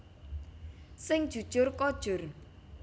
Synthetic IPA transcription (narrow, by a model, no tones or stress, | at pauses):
sɪŋd̥ʒ̥ṳd̥ʒ̥ʊrkɔd̥ʒ̥ʊr